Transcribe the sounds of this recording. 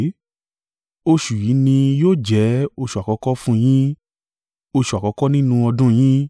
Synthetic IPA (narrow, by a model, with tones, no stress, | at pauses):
o˧ʃu˨ji˨˦nĩ˧joː˦˨d͡ʒɛ˨˦o˧ʃu˨a˨kɔ˨˧˦kɔ˦fũ˦j̃ĩ˦ | o˧ʃu˨a˨kɔ˨˧˦kɔ˦nĩ˦nũ˧ɔ˧dũ˦j̃ĩ˦